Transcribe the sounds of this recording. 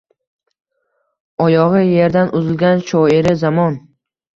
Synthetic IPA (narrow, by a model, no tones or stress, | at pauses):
ɒjɒʁɨje̞ɾd̪anʊzɪlɡʲanʃɒiɾɪzamɒn